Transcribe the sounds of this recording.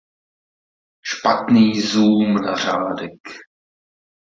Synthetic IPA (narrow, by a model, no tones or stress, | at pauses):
ʃpat̪niːzuːmna̰r̝aːdɛk